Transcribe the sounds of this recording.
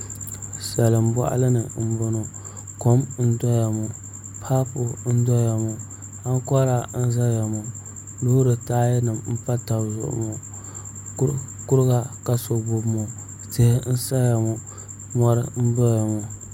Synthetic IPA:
sa˨lɨ˨m̩˦bɔ̰˨ʔa̰˦lɨ˦nɨ˨m̩˦bʊ˨no˨ | ko˦mn̩˦dɔ˦ja˨mu˨ | pʰa˦pʊ˨n̩˦dɔ˦ja˨mu˨ | a˦ŋ˦kɔ˦ɾa˦n̩˦za˦ja˨mu˨ | lo˦hɾɨ˨taː˦jɛ˦nɨ˨mm̩˦pa˦ta˨bzʊ̰˨ʔʊ̰˦mu˨ | kʊ˦ɾɨ˦ɡa˨ka˨so˨bʊ˨mu˨ | te˦hɪ˦n̩˦sa˦ja˨mu˨ | mɔ˦ɾɨ˦n̩˦dɔ˦ja˨mu˨

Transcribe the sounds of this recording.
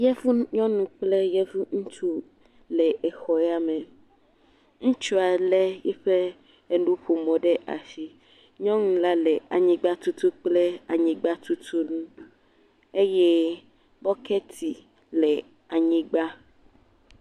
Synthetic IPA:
jɛ˦vu˦ɲɔ̃˦nũ˦k͡ple˦jɛ˦vu˦ŋũ˦t͡ʃu˦ | lɛ˨e˨xɔ˨ɛ˦a˦me˨ | ŋũ˦t͡ʃu˦a˨lɛ˦jɛ˦ɸe˦ | e˦nũ˦ɸo˨mɔ̃˨ɖe˦ʔa̰˨si˦ | ɲɔ̃˦ŋũ˦la˦le˨a̰˨ɲĩ˦ɡ͡ba˦t̪u˦t̪u˦k͡ple˦a˨ɲĩ˦ɡ͡ba˦t̪u˦t̪ʰu˦nũ˦ | e˦jɛ˦ | bɔ˦kʰɛ˦t̪ʰi˨ | lɛ˨ | a˨ɲĩ˦ɡ͡ba˦

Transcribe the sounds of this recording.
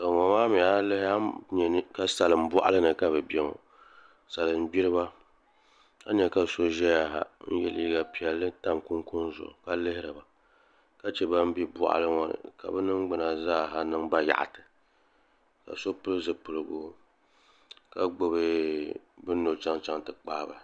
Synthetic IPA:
sa˨ŋa˨maː˦mi˨a˦lɨ˦ha˦ɲɛ˨nɨ˦ka˦sa˨lɨ˨m̩˦bɔ˦ʔa̰˦lɨ˦nɨ˨ka˦bɛ˨bɛ˦˨ŋo̰˨ | sa˨lɨ˨m̩˦bi˦ɾɨ˦ba˦ | a̰˦ɲɛ˨ka˨so˦ʒɛ˦ja˨ɦa̰˨n̩˦jɛ˦liː˦ɡa˨pi˨ɛ˨lːɨ˦ta˦mkʊ˦ŋkʊ˦nzʊ̰˨ʔka˦lɨ˦hɪ˦ɾɨ˨ba˨ | ka˦t͡ʃɛ˦ba˦m̩˦bi˦bɔ̰˦˨ʔa̰˦lɨ˦ŋa̰˦˨ka̰˨bɛ˦nɨ˦ŋ˦ɡ͡bɨ˨na˨zaː˦˨ɦa˦nɨ˦ŋba˦ja̰˨ʔa̰˨tɨ˨ | ka̰˨so˦pɨ˦lɨ˦zɨ˨pɨ˨lɨ˨bo˦ | ka˨ɡ͡bo˨bɨ˦ | bɨ˦no˨t͡ʃa˦ŋt͡ʃa˦ŋtɨ˨k͡pa˦ba˨

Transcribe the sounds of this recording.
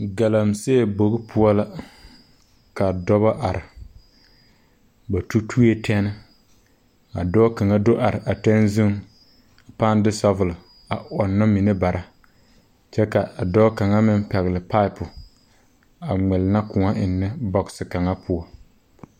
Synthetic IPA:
ɡa˨la˨mseː˦˨bo˨ɣɪ˦pʰʊ˦ɔ˦la˦ | ka˨dɔ˦βa˦ʔa˨ɾɪ˨ | ba˨tu˦tʰu˦je˦tʰɛ˦nɪ˦ | a̰˨dɔ˦ka˨ŋa˦do˦ʔa˨ɾɪ˨ʔa˨tɛ˦nzɪ˦ŋ | a˨paː˦n˦dɪ˦sa˦vʊ˨lɪ˨ | a˨ʔɔ˨nːa˦mi˨ne˦ba˨ɾʔa˨ | t͡ʃɛ˦ka˨a˨dɔ˦ka˨ŋa˦mɪ˦m˦pɛ˨ɣɪ˨lɪ˨pa˦ɪ˦˨pʊ˨ | a˨ŋɛ˨lɪ˨na˦kʊ˨ŋa˦ʔɪ˨nːɪ˦bɔ˦ksɪ˨ka˨ŋa˦pʰʊ˦ɔ˦

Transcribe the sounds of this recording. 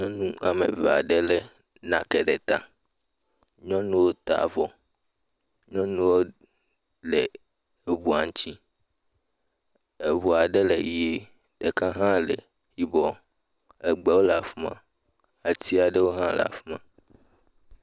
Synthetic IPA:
ɲɔ̃˦nũ˦ʔa˨mḛ˨ve˨a̰˨ɖe˦le˦ | nã˨kɛ˨ɖe˨t̪a̰˨ | ɲɔ̃˦nũ˦wo˦t̪a̰˨vɔ˦ | ɲɔ̃˦nũ˦wo˦ | le˨ | e˨βu˨a˨ŋ˦t͡ɕi˦ | e˨βu˨a˨ɖe˦le˨je˦ | ɖe˨kã˦ɦã˦lḛ˨ | ɸi˨bɔ˨ | ɛ˨ɡ͡bɛ˦wo˦la˨fu˦mã̰˨ | a˨t̪i˦a˨ɖe˦wo˦ɦã˦lɛ̰˨a̰˨fu˦mã˦

